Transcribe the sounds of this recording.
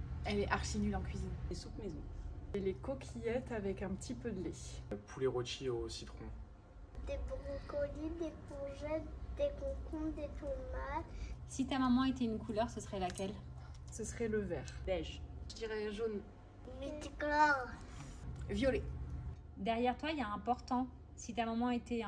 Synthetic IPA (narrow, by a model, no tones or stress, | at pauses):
ɛlɛʔaʁʃinylɑ̃kɥizinesupmezɔ̃elekɔkʲʰijɛt̪avɛkɛ̃pət̪ʰipød̪lepʰuleʁɔt͡ʃiosi̥t̪χɔ̃ | d̪ebʁikɔlid̪epɔʒɛd̪̥ekɔ̃kʰɔ̃d̪et̪ɔmat̪sit̪amamɑ̃et̪ɛynkʰulœʁsəsəʁɛlakʲɛl | səsəʁɛləvɛːʁd̪ɛʒʒd̪iʁɛʒon | met̪iklɔʁ | vjɔle | d̪ɛʁjɛʁt̪wailaɛ̃pɔʁt̪ɑ̃ | sit̪amɔmɑ̃et̪ɛ